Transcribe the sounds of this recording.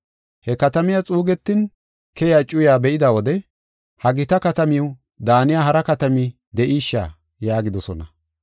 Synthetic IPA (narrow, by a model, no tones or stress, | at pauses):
hɛkɐt̪ɐmɪjat͡sʼuːɡɛt̪ːɪn | kɛjaːt͡ʃʼʊjaːbɛʔɪd̪awɔd̪ɛ | hɐɡɪt̪ɐkɐt̪ɐmɪw | d̪aːnɪjaːɦɐɾɐkɐt̪ɐmi | d̪ɛʔiːʃːa̰ː | jaːɡɪd̪ɔsɔnɐ